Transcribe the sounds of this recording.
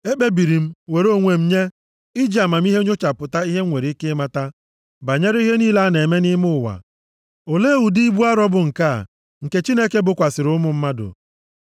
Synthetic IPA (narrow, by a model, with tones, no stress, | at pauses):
e˦k͡pe˦bi˨ɾi˨m̩˦we˨ɾo˦˨ŋʷe˨m̩˦ɲe˦ | i˦d͡ʒi˦˨a˨ma˨m̩˦i˦ɦe˦ɲʊ˦t͡ʃa˨pʊ˨ta˦i˦ɦe˦ŋʷe˨ɾi˦ke˦ma˦ta˦ | ba˨ɲe˦ɾi˦ɦe˦niː˦la˦ne˨me˦nɪ˦mʊ˦ʊ˨wa̰˨ | o˨le˦wu˨di˦i˦bu˦a˦ɾɔ˦bʊ˨ŋ̩˨ka̰˦˨ | ŋ̩˨ke˨t͡ʃi˦ne˦ke˦bʊ˨kʷa˨sɪ˨ɾʊ˦mʊ˨m̩˦ma˦dʊ̰˨